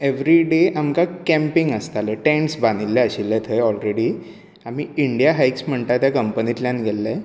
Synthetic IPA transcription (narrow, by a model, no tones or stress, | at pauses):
eʋɾiɖeʔamkakɛ̃mpiŋɡəst̪aleʈɛ̃ɳʈsbanilːeəɕilːet̪ʰəjɔlɾeɽiː | amiːiɳɖijaɦajksm̤əɳt̪at̪jakəmpənit̪ljanɡʱelːe